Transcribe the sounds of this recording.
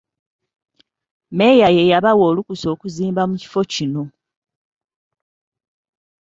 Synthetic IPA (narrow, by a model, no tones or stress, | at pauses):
me̞jaje̞jaβawoːlukuso̞ːkuziːmbamuci̥fo̞cino̞